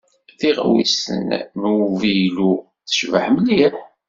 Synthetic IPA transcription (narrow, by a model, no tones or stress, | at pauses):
θiʁ̰wḭsə̰nnvijlu | θə̥ʃvə̰ħməlːiħ